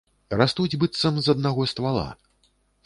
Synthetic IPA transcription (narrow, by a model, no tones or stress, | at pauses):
rast̪ud͡zʲbɨt̪sːɐmzɐd̪̚naɣɔst̪valˠa̰